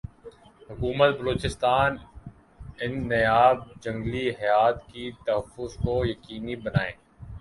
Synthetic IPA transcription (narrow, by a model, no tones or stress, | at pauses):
ɦʊkuːmət̪̚bɐloːt͡ʃɪst̪aːn | ɪnːɐjaːb̚d͡ʒɐ̃ŋɡliɦɐjaːt̪kit̪ɐɦəfːʊzkojɐkiːnibɐnaːḛ̃ː